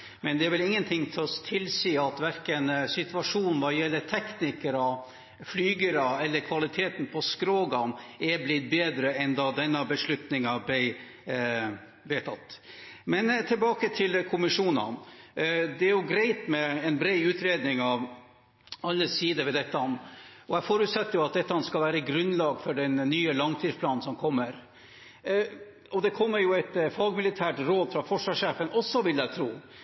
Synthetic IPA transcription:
mɛnd̪ɛæɾʋɛlɪŋːənt̪ʰɪŋːt̪ʰɛɔst̪ʰɪlsiːɑt̪ʋæɾkənsɪt̪ʉɑʂuːnn̩ʋɑjɛlːət̪ʰɛknɪkəɾɔ | flyːɡəɾɑɛlːəɾkʰʋɑlɪt̪ʰeːt̪n̩pʰɔskɾoːɡɑnɛblɪt̪̚beːd̪ɾəɛnd̪ɑd̪ɛnːəbəʂlʉt̪nɪŋɑblæɪ | ʋeːt̪ʰɑt̪ːmɛnt̪ʰɪlbɑːkət̪ʰɪlkʰʊmɪʂuːnɑ̰n | d̪ɛæɾjʊɡɾɛɪt̪mɛɛnbɾeɪʉːt̪ɾeːd̪nɪŋɑʋ | ɑlːəsiːd̪əʋɛd̪ɛt̪ːɑɔmɔæfɔɾʉːt̪sɛt̪ːəjʊɑt̪̚d̪ɛt̪ːəɑɑnskɑlʋæːɾəɡɾʉnlɑːɡfɔɖɛnːyːəlɑŋt̪ʰiːspʰlɑːnn̩sɔmkʰɔmːəɾ | ɔd̪ɛkʰɔmːəɾjʊæt̪fɑɡmɪlɪt̪ʰæːʈɾoːd̪fɾɑfɔʂʋɑʂeːfənʔɔsːɔʋɪld̪æɪt̪ʰɾuː

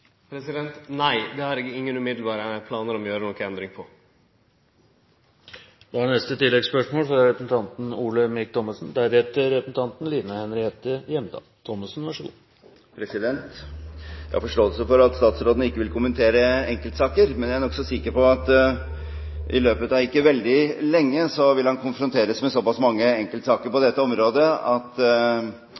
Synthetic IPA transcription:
pʰɾɛsɪd̪ɛnt̪næɪd̪ɛhɑɾɪkːəɪŋːənʉmɪd̪l̩bɑːɾəpʰlɑːnəɾɔmjøːɾənɔkːəɛnd̪ɾɪŋpʰɔ | d̪ɛhɑnɛst̪ət̪ɪlːɛɡspœʂmoːlfɾɑɾɛpəsn̩t̪ɑnt̪n̩uːɭəmɪk̚t̪ʰɔmɑsn̩d̪æɾɛt̪əɾɛpəsn̩t̪ʰɑnt̪n̩liːnɑhɛnɾɪheːt̪əjɛmd̪ɑ̰ːt̪ʰɔmːɑsn̩ʋɑʂəɡṵː | pʰɾɛsɪd̪ɛnt̪ | jæɑ̰fɔʂʈoːəlsəfɔɾɑt̪st̪ɑːt̪sɾoːd̪ənəɪkːəʋɪlkʰʊmənt̪ʰeːɾəɛŋkəlt̪əsɑːkəɾmɛnjææɾnɔksɔsɪkəɾpɔɑt̪ | ʔɪ̰løːpət̪ɑʋɪkːəʋɛld̪ɪlɛŋːəsɔʋɪlhɑnkʰʊnfɾʊnt̪ʰeːɾəsmɛsɔpɑsmɑŋːəɛŋkəlt̪sɑːkəɾpɔd̪ɛt̪ːəɔmɾoːd̪əɑt̪

